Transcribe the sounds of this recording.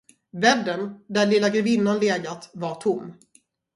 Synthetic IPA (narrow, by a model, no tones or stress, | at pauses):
vɛbd̪ənd̪ælɪlːaɡɾvɪnːanleːɡat̪vaʈʰʊmː